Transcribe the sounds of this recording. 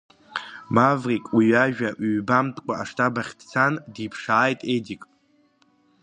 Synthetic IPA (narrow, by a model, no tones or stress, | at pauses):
mavrikʼwiɥaʒᶣaʔːbamtʼkʷʼaaʂtʰabaχʲdt͡sʰandipʰʂaːjtʼedikʼ